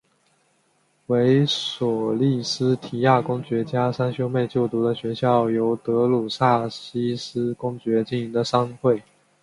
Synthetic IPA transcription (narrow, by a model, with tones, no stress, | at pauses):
we˧˥ɪswɔ˨˩li˥˩sɹ̩˥t̪ʰi˨˥ja˥˩kʊ˥ŋt͡ɕɥɛ˧˥t͡ɕja˥sa˥nɕjo˥ʊme˥˧ɪt͡ɕjo˥˩ʊt̪u˧˥d̪ə˨ɕɥɛ˧˥ɕjɑ˥˩ʊjo˧˥ʊt̪ɤ˧˥lu˨˩sa˥˩ɕi˥sɹ̩˥kʊ˥ŋt͡ɕɥɛ˧˥t͡ɕi˥˩ni˧˥ŋd̪ə˨ʂɑ˥ŋxwe˥˩ɪ